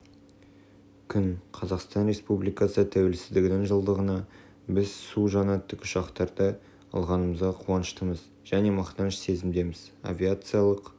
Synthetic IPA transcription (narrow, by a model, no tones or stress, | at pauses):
kʲʰʏnqʰɑzɑqst̪ɑnɾe̞spublijkasət̪ʰæwe̞lsɪzd̪ɪɡʲɪnɪŋʒəlˠd̪əʁənɑ | bɪzsuʒɑnɑt̪ːəkʊ̥ʃɑqt̪ɑɾd̪ə | ɑ̰lˠʁɑnəməzʁɑqʰuɑnəʃt̪əməz | ʒ̥æne̞mɑqt̪ɑnəʃse̞zɪmd̪e̞mɪz̥a̰vʲiat̪sɨjalˠəq